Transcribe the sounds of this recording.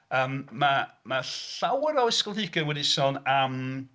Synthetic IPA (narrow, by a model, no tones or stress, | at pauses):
əːmmamaawɾɔɪskɔlˠhɪɡənwɛdisɔnam